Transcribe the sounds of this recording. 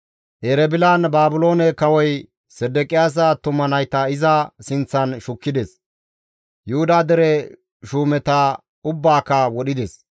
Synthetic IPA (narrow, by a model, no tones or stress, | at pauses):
ʔɛɾɛbɪlaːnbaːbʊlo̞ːnɛkɐwɔj | sɛd̪ːɛkʼɪjaːs̬at̪ʊmːɐnɐjt̪ɐɪzɐsɪnt͡sːɐnʃʊkːɪd̪ɛs | jʊhʊd̪aːd̪ɛɾɛ | ʃuːmɛt̪ɐ | ʊbːaːkːɐwɔɗɪd̪ɛs